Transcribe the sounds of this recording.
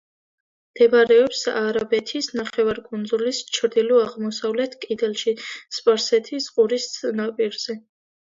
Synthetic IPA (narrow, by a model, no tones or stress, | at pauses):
md̪̥ɛvɾɛɔpsaɾabɛt̪ʰisnaχɛvaɾkʼund̪zulist͡ʃʰɾd̪iluaʁmɔsavlɛt̪ʰkʼid̪ɛlˠʃispʼaɾsɛt̪ʰisqʼuɾist̪sʼnapʼiɾz̥ɛ